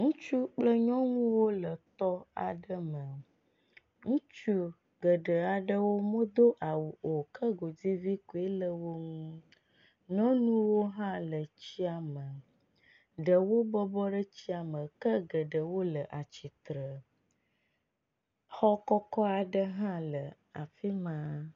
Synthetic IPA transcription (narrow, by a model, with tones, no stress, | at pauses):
ŋũ˦t͡ʃu˦k͡plə˦ɲɔ̃˦ŋũ˦wo˦lə˨t̪ɔ˦a̰˨ɖə˦mə˨ | ŋũ˦t͡ʃu˦ | ɡə˨ɖə˨a˨ɖə˦wo˦mõ˦d̪o˦ʔa˨wu˨ʔo˨kʰə˦ɡo˨d͡zi˦vi˦ku˨e˦lə˨wo˦ŋũ˦ | ɲɔ̃˦nũ˦wo˦ɦã˦lə˨t͡ɕi˦a˨mə˨ | ɖə˨wo˦bɔ˦bɔ˦ɖə˦t͡ɕi˦a˨mə̃˨kə˦ɡə˨ɖə˨wo˦lə˨ʔa˨t͡ɕi˨t̪ɾə˨ | hɔ˦kɔ˦kɔ˦a˨ɖə˦ɦã˦lə˨ | a̰˨fi˦mã˦